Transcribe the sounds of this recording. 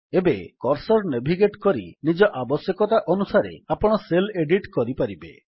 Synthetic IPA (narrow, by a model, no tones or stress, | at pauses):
ebekɔɾsɔɾnebʱiɡeʈkɔɾḭnid͡ʒɔʔabɔsjɔkɔt̪aʔɔnusaɾḛapɔɽ̃ɔseleɖiʈkɔɾipaɾibḛ